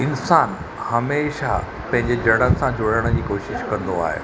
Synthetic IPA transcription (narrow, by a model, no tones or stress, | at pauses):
ɪnsaːn | hɐmeːʃa | pɐ̃ɦɪ̃ɲd͡ʑed͡ʑɐɽ̃ənɪ̆sãd͡ʑʊɽəɽ̃d͡ʑiːkoːʃɪʃkɐ̃nd̪oa̰ːɦḛː